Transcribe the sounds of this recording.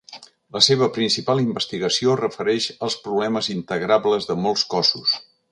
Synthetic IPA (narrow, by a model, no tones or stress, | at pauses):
ləseβ̞əpɾinsipalˠimbəst̪iɣəsiorəfəɾɛʃəlˠspɾuβlɛməzint̪əɣɾabləzðəmɔlˠskɔsus